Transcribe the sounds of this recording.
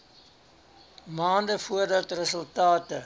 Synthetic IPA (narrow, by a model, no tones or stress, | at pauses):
mɑːndəfuərdɐtrəsəlˠtɑːtə